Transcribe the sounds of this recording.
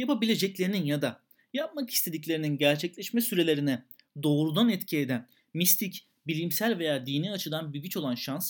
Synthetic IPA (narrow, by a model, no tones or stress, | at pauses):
japabilʲed͡ʒɛclʲe̞ɾininjad̪a | jap̚maki̥st̪ʰe̞d̪iclʲe̞ɾininɟæɾt͡ʃʰɛclʲɛʃmɛsyɾe̞lʲe̞ɾinɛ | d̪o̞ːɾud̪anɛt̪cʰied̪æn | mist̪ʰic | bilʲimsælʲve̞jaːd̪iːniat͡ʃʰɯd̪anbiɟyt͡ʃo̞lˠanʃans